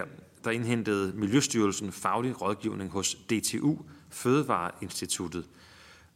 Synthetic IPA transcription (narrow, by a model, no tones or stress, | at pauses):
d̥ɑ̈e̝nɦen̰d̥əð̞̩ˠmiljøsd̥yːɐlsn̩fɑ̈ʊliʁɒ̽ð̞ˠɡ̥iʊ̰ne̝ŋɦɔ̽sd̥e̝̰t͡sʰe̝̰ʔṵːføːð̞ˠəʋɑ̈ːe̝nsd̥it͡sʰud̥ð̞̩ˠ